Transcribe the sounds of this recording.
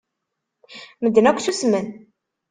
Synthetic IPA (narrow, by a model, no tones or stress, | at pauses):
məd̪ːnækʷːθusmən